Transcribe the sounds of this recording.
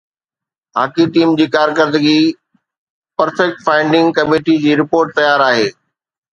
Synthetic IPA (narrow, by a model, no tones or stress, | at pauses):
ɦa̰ːkiʈiːmd͡ʑiːkaːɾkəɾd̪əɡi | pɐɾfɛk̚ʈfaːɪ̃ɳɖɪ̃ŋɡkɐmeːʈid͡ʑiːɾɪpoːɾʈ̚t̪ɐjaːɾaːɦeː